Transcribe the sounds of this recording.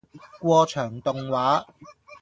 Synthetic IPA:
kʷɔː˧t͡ʃʰœː˨˩ŋt̪ʊ˨˧ŋwaː˨˥

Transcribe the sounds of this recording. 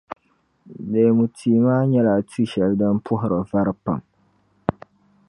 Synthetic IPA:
de˨mu˨tʰiː˨maː˦ɲɛ˦la˨tʰu˦ʃɛ˨ldɨ˦npʰʊ˦ɦʊ˨ɾɨ˨va˦ɾpa̰˨m

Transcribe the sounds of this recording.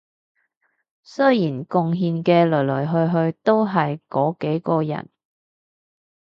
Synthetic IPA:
sɵ˥jiː˨˩nkʊ˧ŋɦiː˧nkɛː˧lɵ˨˩lɵ˨˩ɦɵ˧ɥɦɵ˧ɥt̪o˥wɦɐ˨jkɔː˨˥ke˨˥jkɔː˧jɐ̰˨˩n

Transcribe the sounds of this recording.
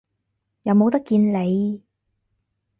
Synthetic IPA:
jɐ˨˧wmo˨˧wt̪̬ɐ˥kːiː˧nle˨˧j

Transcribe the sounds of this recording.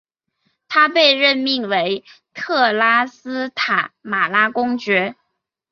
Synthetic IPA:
t̪ʰa˥pe˥˧ɪɻə˥˧nmi˥˩ŋwe˧˥ɪt̪ʰɤ˥˩la˥sɹ̩˥t̪ʰa˨˩˦ma˨˩la˥kʊ˥ŋt͡ɕɥɛ˧˥

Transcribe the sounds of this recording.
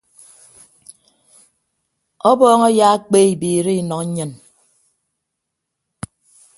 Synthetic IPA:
ɔ˦bɔː˦ŋɔ˦ja˦a˦k͡peː˦i˨biː˨ɾi˦i˨nɔ˨k̩˦ɲɨ˦n

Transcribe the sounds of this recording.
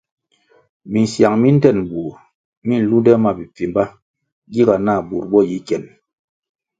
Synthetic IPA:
mi˨n̩˨sja˨ŋmi˦n̩˦tɛ˦˨n˨bu˨ɾ | mi˦n̩˦lu˦dɛ˦ma˦bi˨p͡fi˨m˦ba˦ | ɡi˦ɡa˨na˦˨bu˨ɾbɔ˦˨ji˨˦kɛ˨n

